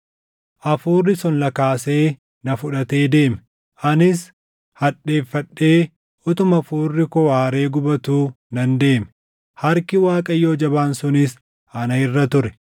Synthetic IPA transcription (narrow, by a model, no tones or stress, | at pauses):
ʔɐfuːrːɪsɔnlɐkaːse̞ː | nɐfʊᶑɐt̪e̞ːd̪e̞ːmɛ | ʔɐnɪs | hɐᶑe̞ːfːɐᶑːe̞ː | ʔɔt̪ʊmɐfuːrːɪkɔwaːɾe̞ːɡʊbɐt̪uː | nɐnd̪e̞ːmɛ̥ | hɐɾkɪwaːkʼɐjːo̞ːd͡ʒɐbaːnsʊnɪs | ʔɐnɐɪrːɐt̪ʊɾɛ̥